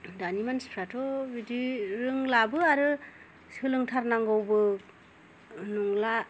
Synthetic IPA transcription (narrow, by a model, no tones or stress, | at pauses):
danimanspʰɾatʰɔbidiɾɯŋlabɯaɾɯ | sɯlɯŋtʰaɾnaŋɡɔwbɯ | nuŋla